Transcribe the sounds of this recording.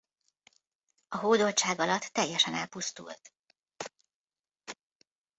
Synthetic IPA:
ɒɦoːd̪o̞lt͡ʃaːɡɒlɒt̪ːɛjːɛʃɛnɛlpust̪ṵlt̪

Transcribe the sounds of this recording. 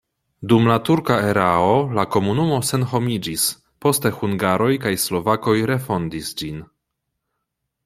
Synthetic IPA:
dumlatuɾkae̞ɾao̞lako̞munumo̞se̞nɦo̞mid͡ʒis | po̞ste̞huŋɡaɾo̞jkajslo̞vako̞jɾe̞fo̞ndisd͡ʒin

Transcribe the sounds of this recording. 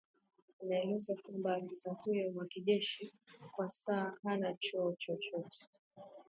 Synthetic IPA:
inaɛlɛzakwambakisakujɔmwakiʄɛʃikwasaːhanat͡ʃɔːt͡ʃɔt͡ʃɔtɛ̥

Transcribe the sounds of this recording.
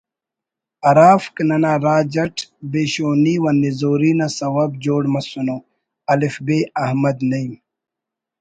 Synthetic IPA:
ɐɾaːfknɐnaːɾaːd͡ʑɐʈʰbeːɕoːniːwɐnːizoːɾiːnɐsɐwɐb̚d͡ʑoːɽmɐsunoː | ɐlifbeːɐhmɐd̪nɐim

